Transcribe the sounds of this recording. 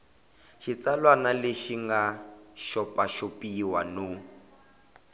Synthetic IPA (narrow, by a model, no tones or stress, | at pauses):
ʃit͡salwanaleʃiŋɡaʃɔpaʃopiːwanu